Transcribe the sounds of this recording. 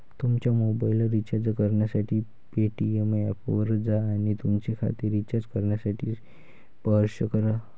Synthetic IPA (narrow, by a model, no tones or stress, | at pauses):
t̪umt͡ɕjamobailɾit͡ɕaɾd͡zkəɾɳjasaʈʰiː | peʈiemɛpoʋəɾd͡zaːɽ̃it̪umt͡ɕekʰa̰t̪iːɾːit͡ɕaɾd͡ʑkəɾɳjasaʈʰiː | pəɦɾɕəkəɾa